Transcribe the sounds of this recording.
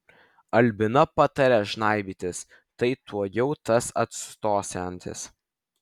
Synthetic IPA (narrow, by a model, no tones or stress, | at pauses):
ɐlʲbʲɪnɐpɐt̪ɐɾʲɛʒnɑˑɪbʲiːt̪ʲɪs | t̪ɐɪt̪ʰuɔjɛʊt̪ɐsɐ̰t̪st̪oːsʲɛnʲt̪ʲɪ̰s